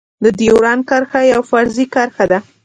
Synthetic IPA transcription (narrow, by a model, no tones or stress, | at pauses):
d̪əd̪iwɾɑnkaɾxajawfaɾzikaɾxad̪a